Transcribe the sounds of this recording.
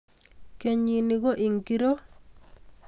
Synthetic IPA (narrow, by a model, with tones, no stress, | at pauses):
ke˨ɲi˨ni˨ɡo˦ʔi˨ŋki˦ɾo˦